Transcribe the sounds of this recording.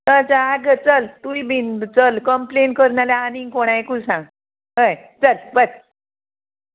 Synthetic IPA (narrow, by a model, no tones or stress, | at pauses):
ət͡səaɡʱət͡səlt̪uibint͡səlkəmplenkəɾnalaaniŋkoɽ̃ajkusãŋɡ | ɦəjt͡səlbəɾ